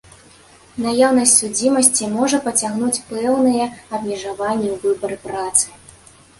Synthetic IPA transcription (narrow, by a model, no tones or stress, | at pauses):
najawnɐsʲtʲsud͡zʲimɐsʲt͡sʲimɔʐɐpɐt͡sʲaɣnut͡sʲpɛwnɨjɛɐbmʲɛʐavanʲːɛwvɨbɐɾɨpɾat̪sɨ̥